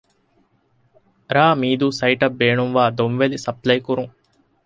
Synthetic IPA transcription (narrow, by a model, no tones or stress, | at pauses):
ɾaːmiːd̪usɐjʈɐbːeːɳumʋaːd̪omʋelisɐplɐjkuɾuŋ